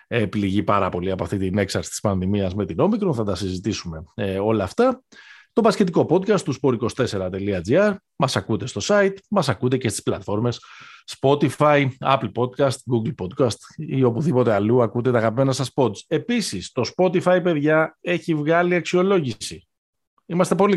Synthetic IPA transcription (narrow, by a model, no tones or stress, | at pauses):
epliʝipɐɾɐpo̞liɐpo̞ɐft̪it̪ine̞ksɐɾt̪i̥spɐnðimiɐzme̞t̪ino̞mikɾo̞nθɐt̪ɐsizit̪isume̞o̞lɐːft̪ɐ | t̪o̞pɐsce̞t̪̬iko̞po̞d̪kɐst̪uspo̞ɾiko̞st̪e̞se̞ɾɐt̪e̞liɐd͡ziɐɾ | mɐsɐkut̪e̞st̪o̞sɐit̪mɐsɐkut̪e̞ce̞st̪i̥splɐt̪fo̞ɾme̞sːpo̞t̪ifɐiɐ̰plpo̞d̪̚kɐst̪ɡuɡlpo̞d̪̚kɐst̪io̞puðipo̞t̪e̞ɐluɐkud̪e̞t̪ɐɣɐpime̞nɐsɐspo̞t͡se̞pisist̪o̞spo̞t̪ifɐipeðʝɐe̞çivɣɐliɐksio̞lo̞ʝisi | imɐst̪e̞po̞li